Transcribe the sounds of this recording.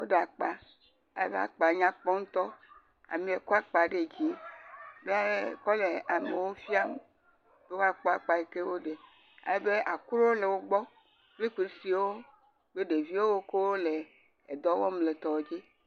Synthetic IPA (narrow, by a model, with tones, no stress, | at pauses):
wo˦ɖe˨a˨k͡pa˨ | a˨jḛ˦be˦a̰˨k͡pa˨ɲã˦k͡pɔ˦ŋ̩˦t̪ɔ˦ | a̰˨mĩ˨e˨ko˦a˦k͡pa˨ɖe˦d͡ʑi˦be˦a˦je˦kɔ˦le˨a˨me˨wo˦fi˦a˦m | b̥e˦wo˦a˨k͡pɔ˦a˨k͡pa˨e˨ke˦wo˦ɖe˨ | a̰˨je˦be˦ʔa˨ku˦ɾo˦wo˦le˨wo˦ɡ͡bɔ˦ | kle˦k͡pe˨˦si˨wo˦ | be˦ɖe˨vi˦wo˦wo˦ke˦wo˦le˨ | e˨d̪ɔ˦wɔ˦mle˨t̪ɔ˨wd͡ʑi˦